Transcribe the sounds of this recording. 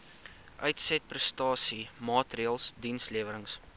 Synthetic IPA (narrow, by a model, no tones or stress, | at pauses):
ʔœɥtsɛt̚prəstɑːsimɑːtriəlˠsdinsliəvəɾəŋs